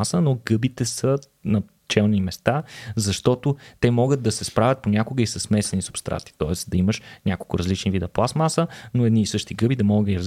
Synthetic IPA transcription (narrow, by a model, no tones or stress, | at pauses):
asənoɡɤbit̪ɛsə | nɐ | t͡ʃɛlˠnimɛst̪azɐʃt̪ɔt̪ʊt̪ɛmɔɡət̪̚d̪ɐsɛspɾavʲɐt̪̚ponʲakʊɡəisəsmɛsɛnisʊ̥pst̪ɾʔa̰t̪i̥t̪ɔɛsd̪ɐiməʃnʲʔakolˠkʊɾɐzlit͡ʃnivid̪ɐplˠasmasənoɛd̪niːsɤʃt̪iɡɤbid̪ɐmɔɡəiɾɐz